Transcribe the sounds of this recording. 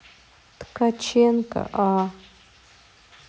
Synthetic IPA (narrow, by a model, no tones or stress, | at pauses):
t̪kat͡ʃenka̰ʔa